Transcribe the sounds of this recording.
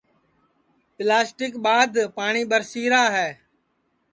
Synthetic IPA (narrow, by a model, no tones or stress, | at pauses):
pɪlaːsʈɪkɓaːd̪ʱpaːɳiːɓəɾsiːɾaːɦɛː